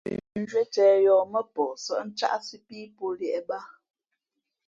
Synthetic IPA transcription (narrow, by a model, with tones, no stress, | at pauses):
n˦d͡ʒɥe˦tɛː˨jɔː˨mə˦pɔ˨sə̰˦˨ʔn̩˦t͡ʃa̰˦ʔsi˦piː˦po˦ljɛ˨ʔɛ˨ba˦